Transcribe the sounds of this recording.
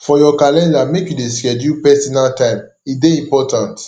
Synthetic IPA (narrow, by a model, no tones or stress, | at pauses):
fɔjɔkalɛ̃ndamekjudeskɛdjupɛsɔnaltãɪ̃m | ideĩmpɔtãnt